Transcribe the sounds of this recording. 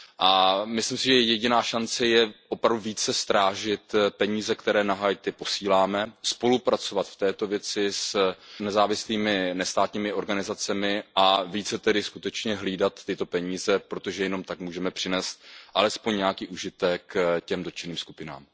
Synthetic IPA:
ʔamɪslɪmsɪʒɛjɛɟɪnaːʃant͡sɛjɛʔopɾavduviːt͡sɛst̪ɾaːʒɪt̪pɛɲiːzɛkt̪ɛɾɛːnaɦaːjt̪ɛpo̞siːlaːmɛspo̞lupɾat͡so̞vat̪ft̪ɛːt̪o̞vjɛt͡sɪsnɛzaːvɪsliːmɪnɛst̪aːt̪ɲiːmɪʔo̞ɾɡanɪzat͡sɛmɪʔaviːt͡sɛt̪ɛdɪskut̪ɛt͡ʃɲɛɦliːdat̪ːɪt̪o̞pɛɲiːzɛpɾo̞t̪o̞ʒɛjɛno̞mt̪akmuːʒɛmɛpr̥ɪnɛːst̪̚ʔalɛspoɲɲɛakiːʔuʒɪt̪ɛkːcɛmdot͡ʃɪniːmsku̥pɪna̰ːm

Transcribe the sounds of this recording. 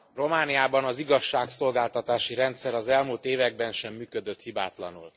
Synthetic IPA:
ro̞maːnijaːbɒnɒziɡɒʃːaːkso̞lɡaːlt̪ɒt̪aːʃiɾɛnt̪sɛɾɒzɛlmuːlt̪eːvɛɡ̚bɛnʃɛmːyːkød̪øt̪hiba̰ːt̪lɒ̰nṵl

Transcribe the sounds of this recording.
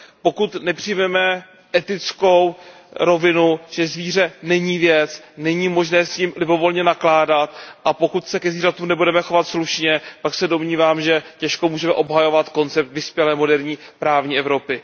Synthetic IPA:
po̞kut̪nɛpr̝̥ɪjmɛmɛ | ʔɛt̪ɪt͡sko̞w | ɾo̞vɪnuʒ̥ɛzviːr̝ɛnɛɲiːvjɛt͡snɛɲiːmo̞ʒnɛːsciːmlɪbo̞vo̞lɲɛnaklaːdat̪ʔapo̞kut̪sɛkɛzviːrat̪uːmnɛbudɛmɛxo̞vat̪sluʃɲɛpaksɛdo̞mɲiːvaːmʒɛcɛʃkomuːʒɛmɛʔo̞bɦajo̞vat̪ko̞nt͡sɛp̚t̪vɪspjɛlɛːmo̞dɛɾɲiːpɾaːvɲiːɛvɾo̞pɪ

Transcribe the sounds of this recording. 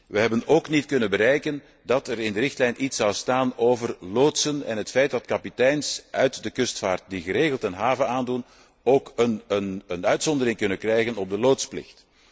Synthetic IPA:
ʋəɦɛbənoːknitkɵnənbəɾɛjkən | dɑtɛɾɪndəɾɪxtlɛjnʔitsɑwstaːnoːvərloːtsənɛ̰nɦətfɛjt̚dɑtkɑpitɛjnsʔœɥtdəkɵstfaːrt̚diɣəɾeːɣəlˠtɛnɦaːvənaːndun | oːkənənənœɥtsɔndəɾɪŋkɵnənkrɛjɣənɔb̚dəloːtsplɪ̰xt

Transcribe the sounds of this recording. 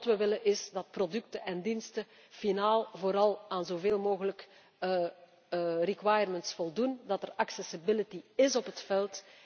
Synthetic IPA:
tʋəʋɪlənʔɪsdɑt̚prodʏk̚təʔɛndinstə | finaːlˠvoːɾɑlˠaːnzoveːlˠmoːɣələkː | rikwajərməntsfɔlˠdundɑtɛraksɛsɪbɪlitiɪsɔpɦətfɛlˠt

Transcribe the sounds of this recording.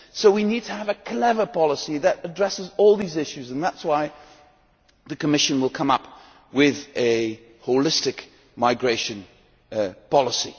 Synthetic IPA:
soʊwinid̚tʰəːvɨkʰl̥ɛvə˞pʰɑlˠəsiðəɾədɹɛsɪzɔlˠðizɪʃʉzə̃nðætswaɪ | ðɨkəmɪʃɨ̃nwəlˠkʰʌ̃mʌp | wɪðɨ | hoʊlɪstɨk | maɪɡɹeɪʃɨ̃n | pʰɑlˠəsḭ

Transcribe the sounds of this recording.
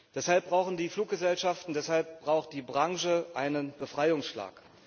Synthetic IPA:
d̥ɛshalp̚b̥ʁaʊxn̩diːfluːk̚ɡ̥əzɛlʃaftn̩dɛshalp̚b̥ʁaʊxt̚d̥iːbʁaŋʒəʔaɪnənbəfʁ̥aɪʊŋsʃla̰ːk

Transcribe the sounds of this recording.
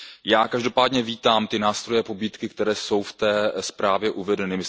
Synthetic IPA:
jaːkaʒdo̞paːdɲɛviːt̪aːmt̪ɪnaːst̪ɾo̞jɛpo̞biːt̪kɪkt̪ɛɾɛːso̞wft̪ɛːspɾaːvjɛʔuvɛdɛnɪmɪ

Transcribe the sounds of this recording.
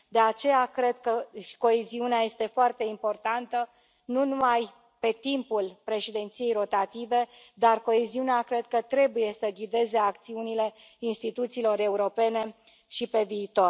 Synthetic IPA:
d̪e̞at͡ʃe̞jakɾe̞d̪̚kə̥ko̞eziuneaje̞st̪e̞foart̪e̞impo̞rt̪ant̪ə | nunumaj | pe̞t̪impulpɾe̞ʃid̪e̞nt̪sije̞jɾo̞t̪at̪ive̞ | d̪arko̞eziuneakɾe̞d̪̚kət̪ɾe̞buje̞səɡʲid̪e̞ze̞ak̚t̪siunile̞ | inst̪it̪ut̪siːlo̞ɾe̞uɾo̞pe̞ne̞ | ʃipe̞viːt̪o̞r

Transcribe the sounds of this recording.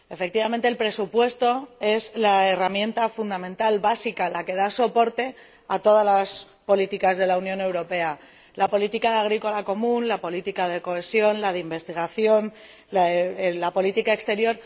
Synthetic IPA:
e̞fe̞k̚t̪iβament̪eːlpɾe̞supwe̞st̪o̞e̞zlaeramje̞nt̪afund̪amẽ̞nt̪alβasikalake̞ðaso̞po̞ɾt̪e̞ | at̪o̞ð̞alas | po̞lit̪ikazð̞e̞launjo̞newɾo̞pe̞a | lapo̞lit̪ikaðaɣ̞ɾiko̞lako̞mũnlapo̞lit̪ikað̞e̞ko̞e̞sjo̞nlaðeimbe̞st̪iɣ̞aθjo̞n | lalapo̞lit̪ikaekst̪e̞ɾjo̞ɾ

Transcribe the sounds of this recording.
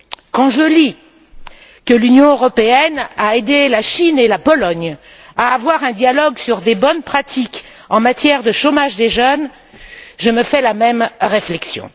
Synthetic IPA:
kɑ̃ʒəli | kəlynjɔ̃øʁɔpeɛnaed̪elaʃinelapɔlɔɲ | aːvwaʁɛ̃d̪jalɔɡsyʁd̪ebɔnpχat̪ik | ɑ̃mat̪jɛʁd̪əʃomaʒd̪eʒœn | ʒəməfɛlamɛmʁeflɛksjɔ̰̃

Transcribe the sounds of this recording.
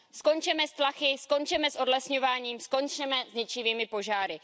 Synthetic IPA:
sko̞nt͡ʃɛmɛst̪laxɪsko̞nt͡ʃɛmɛsʔo̞dlɛsɲo̞vaːɲiːmsko̞nt͡ʃɛmɛzɲɛt͡ʃɪviːmɪpo̞ʒaːɾɪ

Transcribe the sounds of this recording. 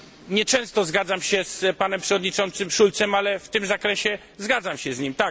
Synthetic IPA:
ɲɛt͡ʂɛ̃w̃st̪ɔzɡad̪zamɕɛspanɛmpʂɛvɔd̪ɲit͡ʂɔnt̪sɘmʂult̪sɛmalɛft̪ɘmzakɾɛɕɛ | zɡad̪zamɕɛzɲimt̪a

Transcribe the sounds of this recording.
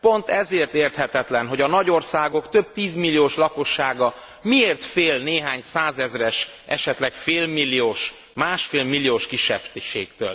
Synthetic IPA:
po̞nt̪ɛzeːrt̪eːrt̪hɛt̪ɛt̪lɛnɦo̞ɟɒnɒɟo̞rsaːɡo̞kt̪øb̚t̪iːzmilːijoːʃlɒko̞ʃːaːɡɒ | mieːrt̪feːlneːɦaːɲsaːzɛzrɛʃ | ʔɛʃɛt̪lɛkfeːlmilːijoːʃ | maːʃfeːlmilːijoːʃkiʃːɛ̰bʃeːk̚t̪ø̰ːl

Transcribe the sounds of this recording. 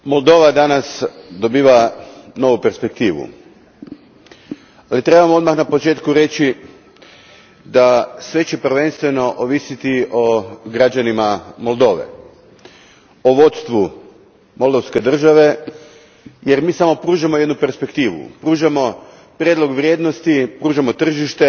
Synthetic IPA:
mo̞lˠd̪o̞ːʋad̪anasd̪o̞biːʋano̞ʋupe̞ɾspe̞k̚t̪iːʋṵ | alit̪ɾe̞bamoo̞d̪maxnapot͡ʃe̞ːt̪kuɾe̞t͡ɕi | d̪asʋe̞t͡ɕepr̩ʋe̞nst̪ʋe̞no̞ʔoʋisit̪io̞ɡɾad͡ʒanimamolˠd̪o̞ːʋḛ | oʋo̞t̪st̪ʋu | mo̞lˠd̪oʋske̞d̪r̩ʒaʋe̞ | jeɾmiːsamo̞pɾuːʒamo̞jed̪nupe̞ɾspe̞kt̪iːʋṵpɾuːʒamo̞ | pɾjed̪lˠo̞ɡʋɾjeːd̪nost̪ipɾuːʒamo̞t̪r̩ʒiʃt̪e̞

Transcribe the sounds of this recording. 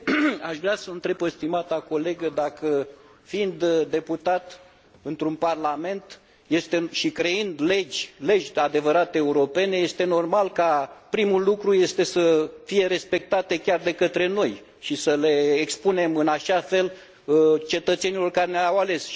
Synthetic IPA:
aʃvɾeasəɨnt̪ɾe̞pəst̪imat̪ako̞le̞ɡəd̪akə | find̪d̪e̞put̪at̪ | ɨnt̪ɾunparlame̞nt̪ | je̞st̪e̞ʃikɾe̞ɨnd̪le̞d͡ʒʲle̞d͡ʒʲad̪e̞vəɾat̪eːuɾo̞pe̞ne̞je̞st̪e̞no̞rmalkapɾimulːukɾuje̞st̪e̞səfije̞ɾe̞spe̞k̚t̪at̪e̞kʲard̪e̞kət̪ɾe̞no̞j | ʃisəle̞ːkspune̞mɨnaʃafe̞l | t͡ʃe̞t̪ət̪se̞nilo̞rkaɾeneawale̞s

